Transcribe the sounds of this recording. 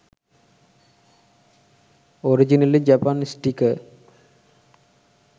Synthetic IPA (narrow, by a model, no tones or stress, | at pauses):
oɾid͡ʑinɐlid͡ʑɐpanisʈikːɐ